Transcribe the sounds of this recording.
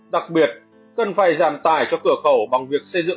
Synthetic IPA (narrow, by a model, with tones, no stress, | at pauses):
ɗa˨˩k̚ɓi˨˩ət̚ | kə˨˧˩nfaː˧˩jzaː˨˩mt̪aː˧˩jt͡ɕɔ˧kɨ˧˩əxə˧˩wɓa˨˩ŋvi˨˩ək̚sə˧jzɨ̰˧˨